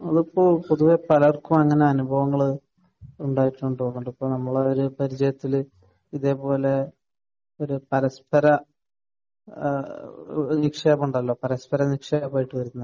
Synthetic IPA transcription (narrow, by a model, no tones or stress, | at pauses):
ɐðupːoːɭpoðuʋe̞pɐlɐɐrkːumeŋːɐne̞ɐnubʱɐʋɐŋːɐɭ | uɳɖaːjiʈːuɳɖɨokːuɳɖipːoːnɐmːɐɭeoɾupɐɾid͡ʑɐjɐt̪ːil | iðe̞ːpo̞ːle̞ | o̞ɾupɐɾɐspɐɾɐ | nikʂemuɳɖɐlːo̞ːpɐɾɐspɐɾɐnikʂɐjapːaːjiʈːɨʋɐɾunːɐð